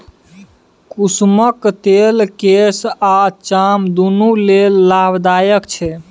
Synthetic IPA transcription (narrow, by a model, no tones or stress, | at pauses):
kusməkt̪elkesat͡ʃamd̪unulelːabd̪ajəkt͡ʃʰɛ